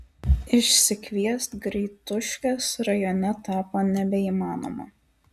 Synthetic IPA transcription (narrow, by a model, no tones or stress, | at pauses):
ɪʃʲsʲɪkʲʋʲiɛst̪ɡɾʲɛːt̪ʊʃʲkʲɛsɾɐjɔnʲɛt̪ɑːpoːnʲɛbʲɛiːmɑːno̰ːmo̰ː